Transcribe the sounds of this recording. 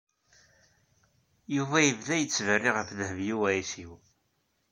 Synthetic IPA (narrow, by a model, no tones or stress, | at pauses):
juvæjəvðæjət͡sːvərːiʁəfðəhəvjiwæisiw